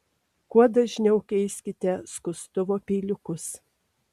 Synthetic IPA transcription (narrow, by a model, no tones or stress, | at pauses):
kuɔd̪ɐʒʲnʲɛʊkʲɛɪsʲkʲɪt̪ʲɛskʊst̪ʊʋoːpʲiːlʲʊkʊs